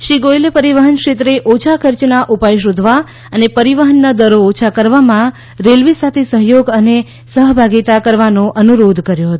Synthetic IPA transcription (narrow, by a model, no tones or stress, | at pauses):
ʃiɡojlepəɾiʋəɦənkʃet̪ɾeʔot͡ʃʰakʰəɾt͡ʃnaʔupajʃod̪ʱʋa | ənepəɾiʋəɦənːad̪əɾoːt͡ʃʰakəɾʋamã | ɾelʋisat̪ʰesəɦjoɡəne | səɦbʱaɡit̪akəɾʋanoʔənuɾod̪ʱkəɾjoɦət̪o